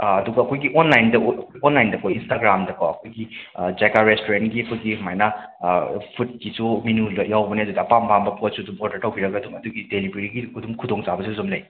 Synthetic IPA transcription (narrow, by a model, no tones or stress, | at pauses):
ɐduɡɐːkʰojɡiʔonlajndɐɐkʰojonlajndɐkʰojinstaɡɾamdɐkʰowɐkʰojɡid͡ʒakaɾestoɾentɡiɐkʰutɡihɐmajnɐ | pʰut̚kisuminuljawbɐniɐdudɐːpampambɐpot̚sudumɔɾdɐɾtʰawbiɾɐɡɐːdumɐduɡidelibeɾiɡikudumkʰudoŋt͡ʃabɐsuzumlɐj